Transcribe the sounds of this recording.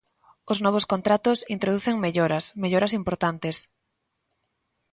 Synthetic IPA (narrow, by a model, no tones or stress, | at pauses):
ʊznɔβ̞oskont̪ɾat̪ʊsint̪ɾoðuθeŋmeʎoɾɐsmeʎoɾɐsimpoɾt̪ant̪es